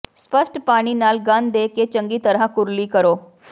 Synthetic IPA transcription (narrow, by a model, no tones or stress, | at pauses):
spəsʈpaːɽ̃iːnaːlɡənd̪eːket͡ʃə̃ŋɡiːt̪əɾãkʊɾliːkəɾoː